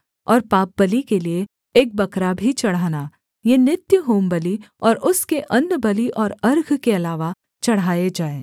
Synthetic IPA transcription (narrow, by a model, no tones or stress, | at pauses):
ɔːɾpaːp̚bɐlikelieː | k̚bɐkɾabʱit͡ʃɐɽ̤aːna | jenɪt̪jəɦoːmbəliɔːɾʊskeʔɐ̃ndbɐliʔɔːɾɐɾɡʱkeɐlaːʋa | t͡ʃɐɽ̤ɦaːed͡ʒaːẽː